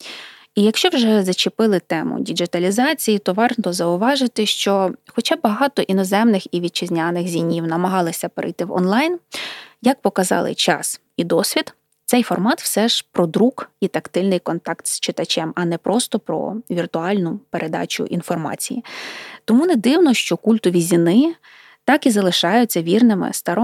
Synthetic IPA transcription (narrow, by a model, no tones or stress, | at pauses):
ijɐkʃt͡ʃɔwʒɛzɐt͡ʃɪpɪlˠɪt̪ɛmʊ̰dʲid͡ʒɪt̪ɐlʲizɑt͡sʲijit̪ɔʋɑrt̪ɔzɐʊʋɑʒɪt̪ɪʃt͡ʃɔxɔt͡ʃɑbɐɦɑt̪ɔʔinɔzɛmnɪxiʋʲid̪̚t͡ʃɪzʲnʲanɪxzʲinʲːiwnɐmɐɦɑlˠɪsʲɐpeɾɪ̰jt̪ɪwɔ̰nlˠɑjnjɐk̚pɔkɐzɑ̰lˠɪ̰t͡ʃɑ̰s | id̪ɔsʲʋʲid̪ | t̪sɛjfɔrmɑt̪wsɛʒ̥pɾɔd̪ɾukit̪ɐkt̪ɪlʲnɪjkɔnt̪ɑkt̪st͡ʃɪt̪ɐt͡ʃɛmɐnɛpɾʔɔst̪ɔpɾɔ̰ʋʲirt̪ʊɑlʲnʊpeɾʔed̪ɑ̰t͡ʃʊ̰ʔḭnfɔrmɑ̰t͡sʲijḭt̪ɔmunɛd̪ɪwnɔʃt͡ʃɔkulʲt̪ɔʋʲizʲinɪ | t̪ɑkizɐlˠɪʃɑjʊt͡sʲːɐʋʲirnɪmɪ̰st̪ɐɾɔ